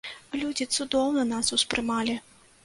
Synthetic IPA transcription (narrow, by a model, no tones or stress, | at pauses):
lʲud͡zʲit̪sud̪ɔwnɐnasuspɾɨmalʲi